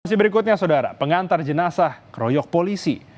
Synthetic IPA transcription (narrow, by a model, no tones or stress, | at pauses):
sibəɾikut̪̚ɲasodaɾa̰pəŋant̪ard͡ʒənasahkɾojɔk̚polisḭ